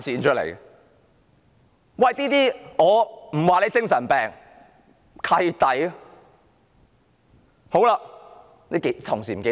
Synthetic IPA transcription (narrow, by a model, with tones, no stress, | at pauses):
t͡sʰiː˨˥nt͡ʃʰɵ˥klḛ˨˩j | wɐ˨jt̪iː˥t̪iː˥ŋɔː˨˧m̩˨˩waː˨le˨˧˥jt͡sɪ˥ŋsɐ˨˩npɛː˨ŋ | kʰɐ˧jt̪ɐ˨˥j | ho˨˥wlaː˧ | ne˨˥ke˨˥t̪ʰʊ˨˩ŋsiː˨˩m̩˨˩ke˨˧˥